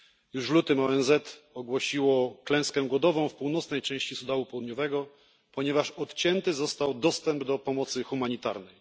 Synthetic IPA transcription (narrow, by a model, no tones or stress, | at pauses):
juʂlut̪ɘmɔɛnzɛt̪ɔɡwɔɕiwɔklɛ̃w̃skɛ̃ɡwɔd̪ɔvɔ̃w̃fpuwnɔt̪snɛjt͡ʂɛ̃w̃ɕt͡ɕisud̪awupɔwud̪ɲɔvɛɡɔ | pɔɲɛvaʂɔt̪t͡ɕɛnt̪ɘzɔst̪awd̪ɔst̪ɛmbd̪ɔpɔmɔt̪sɘxumaɲit̪aɾnɛj